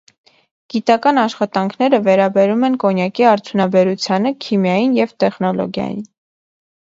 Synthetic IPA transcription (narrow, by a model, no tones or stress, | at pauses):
ɡ̥it̪ɑkɑnɑʃχɑt̪ɑŋkʰnɛɾəvɛɾɑbɛɾumɛnkɔnjɑkiɑɾt̪ʰjunɑbɛɾut͡sʰjɑnəkʰimjɑjinjɛvt̪ɛχnɔlɔ̰ɡjɑ̰jḭn